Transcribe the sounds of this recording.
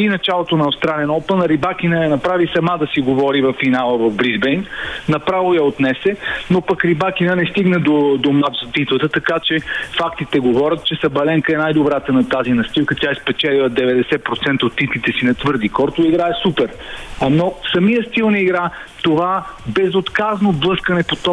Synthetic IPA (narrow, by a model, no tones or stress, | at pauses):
inɐt͡ʃalˠot̪onɐɐfst̪ɾalɛnɔpənɾibakʲinəjɐnɐpɾavisɐmad̪ɐsiɡovɔɾivɐfːinalˠəvɐvbɾizbɛjnnɐpɾavojɐot̪nɛsɛnopɐkɾibak̟inənɛst̪iɡnəd̪od̪omat̪zɐt̪it̪lˠət̪ət̪ɐkat͡ʃɛfakt̪it̪ɛɡovɔɾʲət̪̚t͡ʃɛsɐbɐlɛŋkəɛnajd̪obɾat̪ənɐt̪azinɐst̪ilˠkət̪ʲjaɛspɛt͡ʃɛlilˠəd̪ɛvɛd̪ɛsɛpɾot̪sɛnt̪əot̪ːit̪lit̪ɛsinɐt̪vɤɾd̪ikɔɾt̪oiɡɾaɛsupɛɾ | nofsɐmijəst̪ilˠnɛiɡɾa | t̪ovabɛzot̪kaznoblˠɤskɐnɛpot̪ɔ